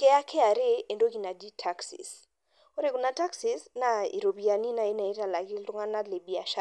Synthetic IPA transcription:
kɛ˦a˦kʰɛ˦a˨ɾe˦e˨ndo˦ki˨na˨di˦tʰa˦ksḭ˨s | o˦ɾe˦˨ku˨na˨ta˦ksi˦sna˨ḭ˨ɾo˨pi˨a˨ni˦na˨i˦na˨i˦ta˨la˨ki˦ltu˦ŋa˦na˦le˨bi˨a˨ʃa˦

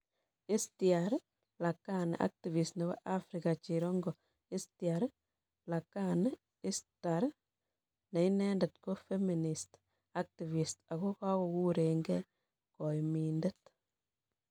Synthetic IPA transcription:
i˦stiaɾ | la˨kan˨ʔa̰˦k̚ti˨vi˨stne˨wɔ̰˦ʔa˦fɾikat͡ʃiɾɔ˦ŋɡɔ | i˦stiaɾ | la˨kan | i˦staɾ | na˨inɛndɛtko˦fe˦minist | a˦k̚ti˨vi˨sta˨kɔ˦ka˦wo˨ku˦ɾe˨ŋɡɛ | kɔ˨iminde˦t

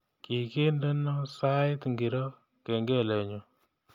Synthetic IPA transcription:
ki˨ke˦ndə˦no˦sa˦ɪ˦tŋɡi˨ɾo˦ | ke˨ŋɡe˦˨le˨ɲo˨

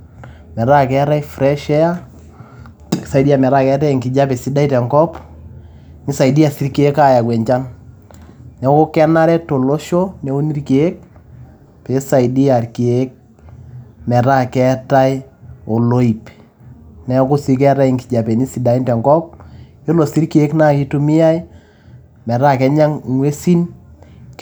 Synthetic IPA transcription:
mɛ˨ɾa˦kɛ˦ɾa˦ifɾɛ˦ʃɛ˦a˦˨ | sa˨idi˦a˨mɛ˨ɾa˦kɛ˦ta˦i˨ŋki˨d͡ʒa˦pɛ˨si˦da˦i˦tɛ˨ŋkɔ˦p | ŋi˦sa˨i˨di˦a˨si˦ɾke˦e˦ka˦ja˨kwɛ˨ɲt͡ʃa˦n | nɛ˨˦ko˦kɛ˦na˦ɾɛ˦to˨lo˦ʃo˦nɛ˨˦o˦ni˦rke˨e˦k̚ | pe˨˦sa˨idi˦a˨rki˨e˦k̚ | mɛ˨ɾa˦kɛ˦ta˦jo˨lo˦i˨p | nɛ˨ko˦si˦k̬ɛ˦ɾa˦i˨ŋki˨d͡ʒa˨pe˨ni˦si˨da˨i˦ntɛ˨ŋkɔ˦p̚ | e˦lo˨si˦ɾki˦e˦kna˦ki˦tu˦mɪ˦a˦j | mɛ˨ɾa˦kɛ˦ɲa˦ŋŋwe˦si˦n

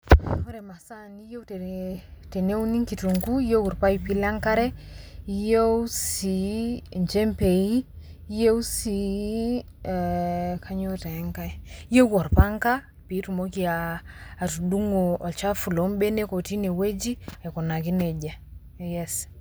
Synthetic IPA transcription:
o˦ɾɛ˨ma˨sa˦ni˦je˦w | te˨ne˦u˦ni˦ŋki˨tu˨ŋɡu˦i˦je˦ku˨ɾpa˦i˨pi˦la˦ŋka˦ɾɛ˦i˦jo˦wsi˨ɲd͡ʒe˦mpe˨i˦ | je˦wu˦si˨ | kʰa˦ɲo˦te˨˦ŋka˦je˦kɔ˨ɾpa˦ŋka˦ | pi˨˦tu˨mo˦ki˨aː˨ | tu˨du˦ŋo˨ɔ˨t͡ʃa˦fu˨lo˨˦mbe˦ne˦ko˨ti˦ne˨we˦d͡ʒi˦ɛ˨kɔ˨na˨ki˦ne˨d͡ʒa˨ | jɛs

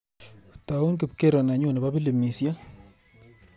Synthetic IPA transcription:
ta˨ʊ˦nkɪ˨p̚ke˦ɾɔ˨na˨ɲo˦ne˨ba˦bi˦le˨mi˨sja˦

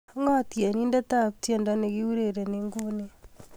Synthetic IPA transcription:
ŋɔ˦tje˨ni˦nde˦ta˦kutje˨nda˦ne˨ɡi˦wu˦ɾe˨ɾe˨neŋɡu˦ni˦

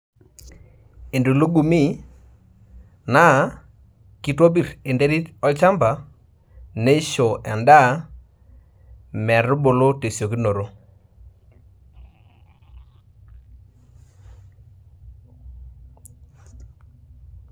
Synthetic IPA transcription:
e˨ndu˨lo˦ɡu˨mi˦ | na˦ | ki˦twɔ˦bi˦˨ɾe˨nde˦ɾi˦tɔ˦t͡ʃa˦mba˨ | ne˦ʃo˨ɛ˨nda˦ | mɛ˨ɾʊ˦bo˨lo˦te˨sjo˨ki˦no˨ɾo˦

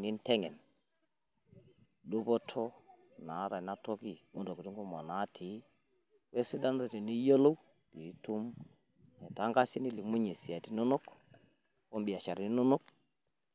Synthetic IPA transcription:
ni˦ntɛ˦ŋɛ˨n | lu˦bɔ˦tʰɔ˦ | na˨˦ɾa˨na˦tɔ˦ki˦˨mu˦do˨ki˨tu˦ŋɡo˦ma˨na˨˦tʰi˨˦ | we˦si˦da˦n˦ɾe˨ti˨ni˦jo˦lo˦w | ki˨˦tu˦m | ɛ˨ta˨˦ŋɡa˦si˦ni˦li˨mu˦ɲe˨si˨a˨ti˦no˦no˦k | kɔ˦mbi˨a˨t͡ʃa˨ɾi˨ni˦no˦no˦k̚

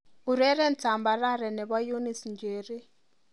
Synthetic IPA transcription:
u˨ɾɛ˦ɾɛ˦n˨t͡sa˨mba˨ɾa˦ɾɛ˨nɛ˨βa˦ju˦ni˨snd͡ʒeː˨ɾi˦

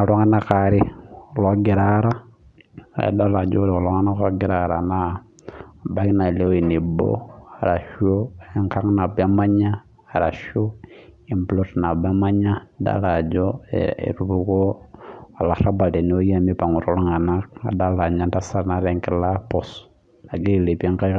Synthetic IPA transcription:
na˨lo˦ŋa˦na˦kaɾi˦loɡi˨ɾaɾa̰˦˨ | ḛ˨da˦la˨d͡ʒo˦lio˨lo˦ŋa˦na˦ka˦ɡi˦ɾaɾa˨na | ba˦kna˨le˦o˦i˨ni˨bo̰˦a˨ɾa˨ʃo˦eŋka˦ŋna˨ba˦ma˦ɲaː˦˨ | ɾa̰˨ʃo˦ | i˨mblo˦tna˨ba˦ma˦ɲa˦da̰˦la˨d͡ʒo˦ḛḛ˨ɾu˦βu˦ko˦a˨la˨ɾa˦ba˨le˨nio˦i˦a˨mi˦pa˨ŋu˨ɾo˨lu˦ŋa˨na˦ka̰˨da˦la˨ɲa˦nda˦sa˦ɾna˦ɾe˨ŋke˦la˦po˨s | na˨ɡe˦i˨le˨pi˦e˦ŋka˦

